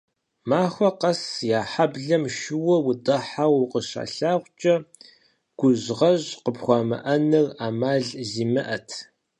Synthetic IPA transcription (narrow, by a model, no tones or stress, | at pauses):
maːxʷɐqɐsjaːħabɮɐmʃɪwɐwʊdɐħawqəɕa̰ːɬaːʁʷt͡ʃʼɐ | ɡ̥ʷʊʑʁɐʑqəpxʷɑːmɐ̰ʔɐnɨraːmaːɮziːmɨʔɐtʰ